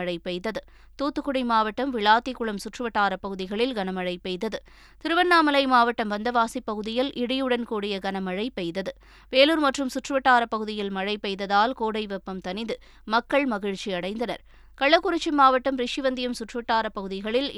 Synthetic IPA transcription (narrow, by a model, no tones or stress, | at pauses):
ɐɻɐɪpɛɪt̪ɐðɯ | t̪uːt̪ːɯkːʊɽɪmaːʋɐʈːɐmʋɪɭaːt̪ːɪkʊɭɐmsʊʈrɯʋɐʈːaːɾɐpːɐɣɯðɪɣɐɭɪlɡɐnɐmɐɻɐɪpːɛðɐðɯ | t̪ɪɾɯʋɐnːaːmɐlɐɪmaːʋɐʈːɐmʋɐnd̪ɐʋaːsipːɐɣɯðɪjɪlʔɪɽɪjɯɽɐnkuːɽɪjɐɡɐnɐmɐɻɐɪpːɛɪðɐðɯ | ʋeːluːɾmɐʈrɯmsʊʈrɯʋɐʈːaːɾɐpːɐɣɯðɪjɪlmɐɻɐɪpːɛɪðɐðaːlkoːɽɐɪʋɛpːɐmt̪ɐnɪðɯ | mɐkːɐɭmɐɣɪɻt͡ʃːiɐɽɐɪnd̪ɐnɐ̰ɾ | kɐɭːɐkːʊɾɪt͡ʃːɪmaːʋɐʈːɐmɾɪʂɪʋɐnd̪ɪjɐmsʊʈrɯʋɐʈːaːɾɐpːɐɣɯðɪɣɐɭɪl